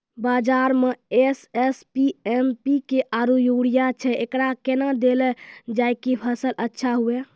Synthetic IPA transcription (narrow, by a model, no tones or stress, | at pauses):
bad͡ʒaɾmeesespiempikeʔaɾujuɽijat͡ʃʰɛʔekɾakenad̪elɛd͡ʒajkipʰəsəlʔətːʃʰaɦue